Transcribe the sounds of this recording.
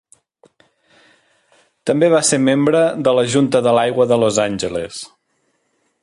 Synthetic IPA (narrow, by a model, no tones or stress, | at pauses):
t̪əmbeβ̞aseɾmembɾəðələʒunt̪əðəlajɣwəðəlozanʲʒəles